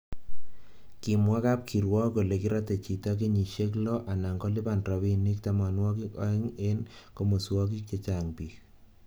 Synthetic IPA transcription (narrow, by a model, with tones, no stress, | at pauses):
kimwa˦ka˦p̚kʰi˨ɾwɔ˦ko˨le˨ki˦ɾate˨t͡ʃi˨ta˦k̬e˦ɲi˨ʃe˦k̬lo˦ʔa˨na˨ŋɡo˦lɪ˦ba˨nra˨βi˦ni˦k̚tama˨nwɔ˦ki˦kɔ̰ɛ˦ŋe˦nko˦mo˨swɔ˦k̬i˦kːe˨t͡ʃaŋpi˨k